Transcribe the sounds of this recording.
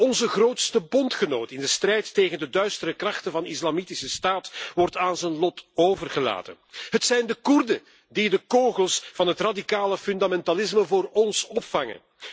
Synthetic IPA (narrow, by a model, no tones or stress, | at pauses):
ɔnzəɣroːtstəbɔntxənoːtɪndəstrɛjtːeːɣəndədœɥstəɾəkrɑχtənvɑnɪslamitɪsəstaːtʋɔrtaːnzənlɔtoːvərɣəla̰ːtə̰nɦətsɛjndəkurdə | didəkoːɣəlˠsvɑnɦətradikaːləfʏndamɛntalɪs̬məvʊːrɔnsɔpfɑŋə̰n